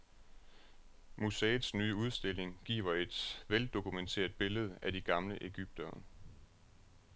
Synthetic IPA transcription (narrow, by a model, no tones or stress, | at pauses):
musɛːð̩ˠsnyːəuð̞ˠsd̥e̝l̰e̝ŋɡ̥ḭːʊɐe̝d̥ʋeld̥o̝kʰument͡sʰe̝̰ːɐð̥ˠb̥e̝ləð̞̩ˠædiɡ̥ɑ̈mləʔe̝ɡ̥yb̥̚d̥ɐ